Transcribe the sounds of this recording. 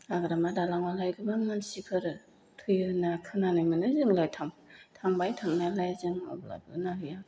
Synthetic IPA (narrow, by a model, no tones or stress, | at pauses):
aɡɾamadalaŋmalajɡɯbaŋnansipʰɯɾɯ | tʰɯjɯnakʰɯnanɯjmɯnɯzɯŋlajtʰaŋtʰaŋbajtʰaŋnalajzɯŋa̰bla̰bɯ̰naɾɯja